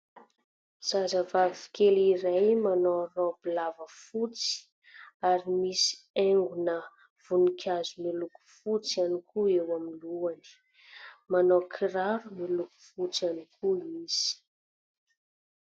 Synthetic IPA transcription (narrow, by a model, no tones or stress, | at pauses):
z̥azəvavifi̥keliɾajmanorobilavəfut͡si̥ | aɾimisi̥eŋɡunə | v̥unikʰʲazumiluku̥fut͡sianikuewamiluani̥ | manokʰiɾaɾumiluku̥fut͡sianikʰuiz̥i̥